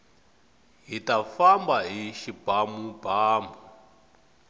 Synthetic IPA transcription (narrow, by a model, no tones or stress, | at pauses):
ɦitafambaɦiʃib̥ʱamubaːmu